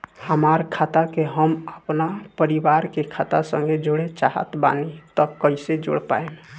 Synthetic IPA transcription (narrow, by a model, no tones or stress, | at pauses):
həmaɾkʰat̪akeɦəməpnapəɾibaɾkekʰat̪asə̃ŋɡed͡ʒoɽet͡ʃaɦə̰t̪ba̰nit̪ɔkəɪsed͡ʒo̰ɽpa̰eme